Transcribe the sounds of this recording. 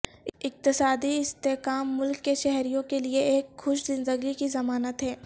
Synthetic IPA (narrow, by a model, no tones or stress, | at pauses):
ɪk̚t̪ɪsaːd̪iɪst̪eːkaːmːʊlkːeʃɛɦɾijõkelieeːkxʊʃzɪ̃nd̪əɡlikizɐmaːnət̪ɦɛː